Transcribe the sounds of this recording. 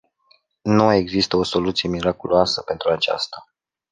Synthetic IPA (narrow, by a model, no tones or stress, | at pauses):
numae̞ɡzist̪əo̞so̞lut̪sije̞miɾakuloasəpe̞nt̪ɾuat͡ʃa̰st̪a